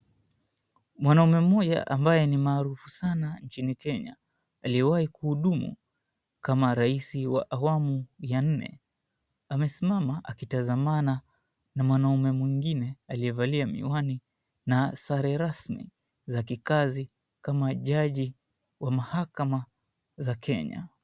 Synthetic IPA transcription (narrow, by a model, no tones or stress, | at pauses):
mwanaumɛm̩ɔʄa̰ʔambajɛnimaːɾufu̥sanaɲt͡ʃinikɛɲa̰ | aliɛwahikuhuɗumṵ | kamaɾaisiwa̰ʔawamujan̩nɛ̰ | amɛsimamaʔakitazamana | namwanaumɛmwiŋɡinɛalijɛvaliamḭwani | nasaɾɛɾasmḭ | zakikazi | kamaʄaʄi | wamahakama | zakʰɛ̰ɲa̰